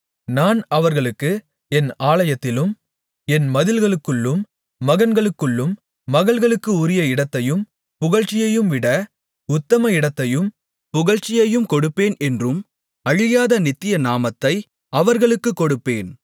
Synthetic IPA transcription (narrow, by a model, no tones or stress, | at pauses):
naːnɐʋɐɾɣɐɭɯkːɯ | ɛnaːlɐjɐt̪ːɪlɯm | ɛnmɐðɪlɣɐɭɯkːɯɭːɯmː | ɐɣɐnɡɐɭɯkːɯɭːɯmː | ɐɣɐɭɣɐɭɯkːɯʊɾɪjɐɪɽɐt̪ːɐjɯm | pʊɣɐɻt͡ʃːɪjɐjɯmʋɪɽɐ | ʊt̪ːɐmɐɪɽɐt̪ːɐjɯm | pʊɣɐɻt͡ʃːɪjɐjɯmkɔɽɯpːeːnɛndrɯm | ɐɻɪjaːðɐnɪt̪ːɪjɐnaːmɐt̪ːɐɪ | ɐʋɐɾɣɐɭɯkːɯkːɔɽɯpːeːn